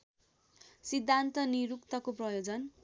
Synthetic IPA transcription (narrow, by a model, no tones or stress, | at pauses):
sid̪ʱːant̪ʌniɾukt̪ʌkoprʌjod͡zʌn